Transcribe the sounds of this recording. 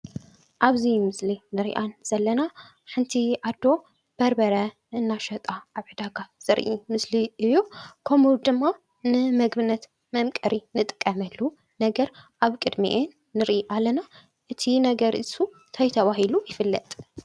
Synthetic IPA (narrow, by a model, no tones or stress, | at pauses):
ʔaβzimɨslinɨɾḭʔanz̥ɐlːɐna | ħɨnt̪ʰiʔad̪ːo̞ | b̥ɐɾbɐɾɐ | ʔɨnːaʃɐt̪ʼaʔaβħɨd̪aɡaz̥ɨɾʔimɨsliʔɨjokʰɐmud̪ɨmːa | nɨmɐɡbɨnːɐt̪ | mɐmkʼɐɾinɨt̪ʼɨ̥kʼːɐmɐlːu | nɐɡɐɾʔaβkʼɨd̪mḭʔenːɨɾʔiʔalːɐna | ʔɨt̪ʰinɐɡɐɾʔɨsu | t̪ʰɐjt̪ʰɐβaɦilujɪfɨlːɐ̰t̪ʼ